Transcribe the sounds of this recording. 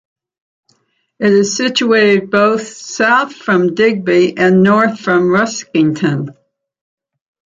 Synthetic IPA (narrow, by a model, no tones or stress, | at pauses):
ɨɾɨz̥sɪt͡ʃueɪɾɨd̚boʊθsaʊθfɹʌ̃mdɪɡ̚biʔɨ̃nːɔɹθfɹʌ̃mɹʌskɪ̃ŋtʰɨ̃n